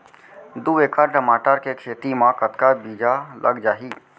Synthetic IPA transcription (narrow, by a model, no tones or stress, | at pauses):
d̪ueːkʰaɾʈəmaːʈəɾkekʰeːt̪imãkət̪kabiːd͡ʒalʔə̰ɡd͡ʒaːɦiː